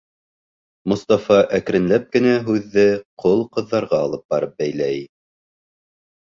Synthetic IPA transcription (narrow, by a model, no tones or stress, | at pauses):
mŏst̪ɑfɑʔækɾɘ̆nlæp̚kɘ̆næɦʉðːɘqʰolˠqɤ̆ðːɑɾʁɑːlˠɤp̚bɑɾɤp̚bæjlæj